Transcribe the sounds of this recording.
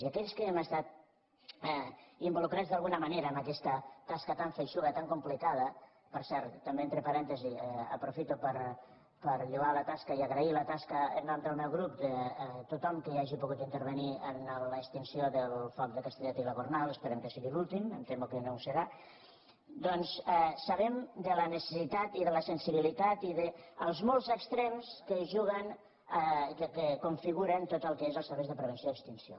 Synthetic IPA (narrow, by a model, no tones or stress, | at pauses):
iakɛʎskəɛməst̪at̪̚ | ɛimbulukɾazd̪alɣunəmaneɾɐəːmbəkɛst̪ət̪askət̪aɱfejʃuðət̪aŋkumplikað̞ə | pəɾsɛɾt̪ːəmbeent̪ɾəpaɾɛnt̪əziɛə̰pɾufit̪upəɾ | pəɾʎuɣalət̪askəiaɣɾəilət̪askəə̰nand̪əlˠmɛwɣɾupd̪ət̪ut̪ɔmkəaʒipuɣut̪int̪əɾβəniənələkst̪insioðəlˠfɔk̚d̪əkast̪əʎat̪iləɣurnalˠəspəɾɛmkəsiɣilulˠt̪imə̰mt̪emukənowsəɾa | d̪ɔnsɛsaβɛmd̪ələnəsə̥sit̪at̪iðələsənsiβ̞ilit̪at̪iðəəlˠzmɔlˠzəkst̪ɾɛmskəʒuɣən | kəkəkuɱfiɣuɾənt̪ot̪əlˠkəezəlˠsəɾβejzðəpɾəβ̞ənsioəkst̪insio̰